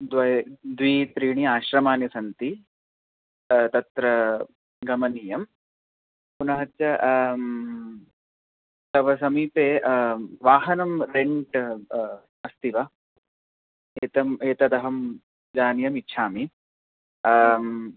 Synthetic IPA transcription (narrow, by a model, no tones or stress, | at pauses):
d̪ʋɐjd̪ʋiːt̪ɾiːɳiaːʃɾɐmaːnjɐsɐnt̪i | t̪ɐt̪ɾɐ | ɡɐmɐniːjɐm | punɐɦɐt̪jɐ | t̪ɐʋɐsɐmiːpeːʋaːɦɐnɐmɾeɳʈ | ɐst̪iʋɐ | eːt̪ɐmeːt̪ɐt̪ɐɦɐm | d͡ʒaːnjɐmitːʃʰaːmi